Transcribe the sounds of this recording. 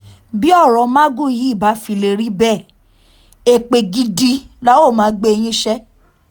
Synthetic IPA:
bi˦ɔ˦˨ɾɔ̃˨˦ma˦ɡu˦˨ji˨˦i˦˨ba˨˦fi˧˨le˧˨ɾi˦bɛ˦˨ | e˨k͡pe˨ɡi˧di˧la˦o˦˨mãː˨˦ɡ͡be˦e˧j̃ĩ˦ʃɛ˦

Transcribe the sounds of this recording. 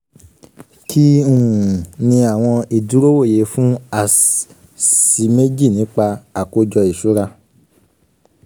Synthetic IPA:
kʰi˦ũ˨nĩ˧a˨w̃ɔ̃˧i˨du˨˦ɾo˦wo˦˨je˨˦fũ˦a˦˨ | si˨˦me˦d͡ʒi˦˨nĩː˨˦k͡pa˧a˨ko˧d͡ʒɔ˧i˨ʃu˨˦ɾa˧

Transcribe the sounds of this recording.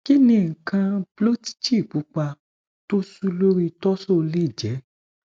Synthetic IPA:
ki˦nĩ˧˨ŋ̩˨kã˧blo˦ti̥˦t͡ʃi˦˨bu˨˦k͡pa˧ | to˦su˦lo˦ɾi˦˧tɔ˦sɔ˦˧le˦˨d͡ʒɛ˨˦

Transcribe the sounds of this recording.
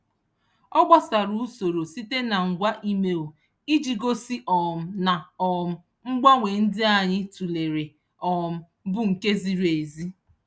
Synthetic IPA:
ɔ˦ɡ͡ba˦sa˨ɾu˦u˦so˨ɾo˨si˦te˦na˨ŋ̩˨ɡʷa˦ʔi˦me˦o˨ | i˦d͡ʒi˨ɡo˦si˦ʔɔ˨m̩˨na˨ɔ˨m̩˨ | ŋ͡m̩˦ɡ͡ba˦ŋʷe˨n̩˦dɪ˦a˨ɲɪ˦tu˨le˨ɾe˨ | ɔ˨m̩˨ | bʊ˦ŋ̩˨ke˦zi˨ɾe˨zi˦

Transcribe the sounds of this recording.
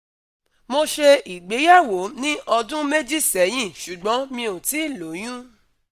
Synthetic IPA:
mo˧ʃe˧i˨ɡ͡be˨˦ja˦˨wo˨˦nĩ˦ʔɔ˧dũ˦me˦d͡ʒi˦˨sɛ˨˦j̃ĩ˦˨ʃu˨ɡ͡bɔ̃˨˦mĩ˧o˨ti˨˦i˦˨lo˨˦j̃ũ˦

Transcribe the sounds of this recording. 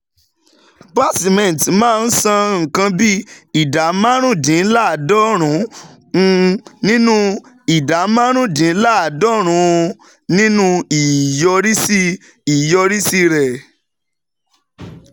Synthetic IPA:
ba˦˨si˨mɛ̃˨n˨tmãː˦˧n̩˦sã˧ŋ̩˨kã˧bi˦i˨da˨˦mã˦ɾ̃ũ˦dĩ˨˦la˦˨dɔ˦ɾ̃ũ˨˦˧ | nĩ˦nũ˦ | i˨da˨˦mã˦ɾ̃ũ˦dĩ˨˦la˦˨a˨dɔ˦ɾ̃ũ˨˦ | nĩ˦nũ˦i˨jɔ˧ɾi˦si˦ | i˨jɔ˧ɾi˦si˧ɾɛ˨

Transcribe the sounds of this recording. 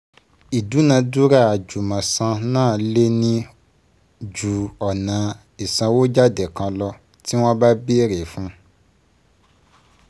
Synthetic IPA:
i˨du˨˦nã˧du˦ɾa˦˨a˨d͡ʒu˨mã˨sã˧nãː˦˨le˦nĩ˧ | d͡ʒu˨ɔ˨nã˨˦ | i˨sã˧wo˦d͡ʒa˦dɛ˨kã˧lɔ˧ | ti˦w̃ɔ̃˦ba˦bi˦ɾe˨fũ˦

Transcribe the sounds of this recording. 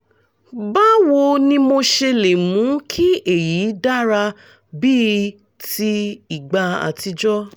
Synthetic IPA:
ba˦wo˧nĩ˧mo˧ʃe˧le˨mũ˨˦kʰi˦e˨ji˨˦da˦ɾa˧ | bi˦ | ti˧i˨ɡ͡ba˧a̰˨ti˧d͡ʒɔ˦

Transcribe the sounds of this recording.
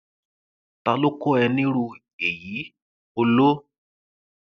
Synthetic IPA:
ta˧lo˦ko˦ɛ˧nĩ˦ɾu˧ | e˨ji˨˦ | o˧lo˦

